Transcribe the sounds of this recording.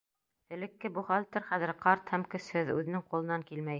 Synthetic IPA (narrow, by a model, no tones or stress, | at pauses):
ɘ̆lɘ̆kːɘbuχɑlʲt̪ɘ̆ɾχæðɘ̆ɾqɑɾt̪hæmkɵ̆shɘðʉ̰ðɘ̆nɘŋqulˠɤ̆nɑŋkilmæj